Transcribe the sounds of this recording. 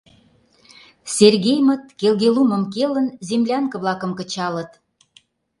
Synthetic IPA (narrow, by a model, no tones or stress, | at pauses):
serɣejmət̪̚kelɣelumə̆mkelənzemlʲɑŋkə̆βlɑkə̆mkə̆t͡ɕɑlət̪